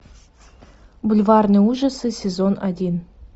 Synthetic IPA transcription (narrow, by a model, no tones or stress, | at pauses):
bulʲvɑrnɨuʐəsɨsʲezonadʲin